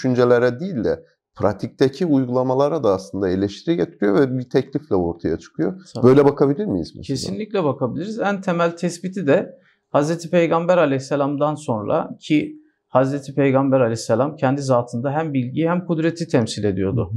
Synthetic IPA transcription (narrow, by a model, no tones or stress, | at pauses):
d̪yʃynd͡ʒelʲeɾɛd̪iːlʲd̪ɛ̰ | pɾa̰t̪ʰic̚t̪ʰacʰiujɡulˠamalˠaɾad̪aːslˠɯnd̪aelʲɛʃt̪ʰiɾiɟet̪ʰiɾijo̞vɛbit̪ʰɛclʲiflʲɛoɾt̪ʰaja̰t͡ʃʰɯ̥kʰɯjobø̞jlʲɛbakʰabilʲiɾmijḭzm̰cʰe̞sinlʲicʲlʲɛbakʰabilʲiɾizænt̪ʰemælʲt̪ʰɛsbit̪ʰid̪ɛ | hazɾet̪ʰipʰejɡambæɾalʲɛçsːalʲamd̪anso̞nɾa̰cʰi | hazɾet̪ʰipʰejɡambæɾalʲɛçsːalʲamcʰɛnd̪izaːt̪ʰɯnd̪aɦæmbilʲɟiːhæmkud̪ɾe̞t̪ʰit̪ʰɛmsilʲe̞d̪ijo̞d̪ʊ̰